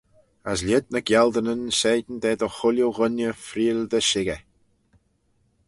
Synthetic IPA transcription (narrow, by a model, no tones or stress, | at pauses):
əslʲɪd̪̚nəɡjɛld̪ənənseːd̪nd̪ɛːd̪ɔxʊljoɣʊnjəfɾiːld̪əʃɪɡɛ